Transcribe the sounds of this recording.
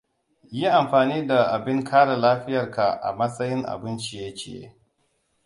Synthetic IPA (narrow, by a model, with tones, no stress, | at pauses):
ji˦ʔa˨mɸaː˨niː˦da˨ʔa˨bɪ˦ŋkʰaː˦ɽa˨laː˦ɸɪ˦jɐ˨rka˨ʔa̰˨mɐ˦sʼɐ˦jɪ˦ŋʔa̰˨bɪ˦nt͡ʃi˨ja˦t͡ʃḛː˦˨jḛ˦